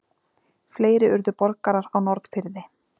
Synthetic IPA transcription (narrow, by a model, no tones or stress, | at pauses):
fleːjɾɪʏɾðʏpɔɾkaɾaɾawnɔɾðfɪɾðɪ